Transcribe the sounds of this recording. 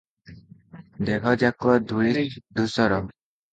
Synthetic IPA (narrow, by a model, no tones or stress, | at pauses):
d̪ekʰɔd͡ʒakuɔd̪ʱuiɾid̪ʱusɔɾɔ